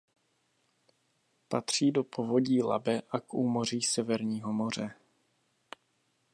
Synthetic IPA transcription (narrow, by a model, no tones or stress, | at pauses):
pat̪r̝̥iːdopo̞vo̞ɟiːla̰bɛʔakʔuːmor̝iːsɛvɛɾɲiːɦo̞mo̞r̝ɛ